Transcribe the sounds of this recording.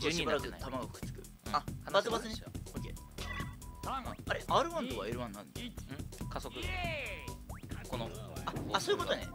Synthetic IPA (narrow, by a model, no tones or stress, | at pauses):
d͡ʑɲĩbaɾakɯat̪amaɡaɸɯ̥kɯ̟̥t͡sɨ̥kɯ̟̃ | abasɨbasɨneokʲeː | aɾeʔaːɾɯ̟βãnt̪oβaeɾɯ̟βãnãnɯ̃kaso̞kɯ̟ | konoaasoːjɯkot̪oae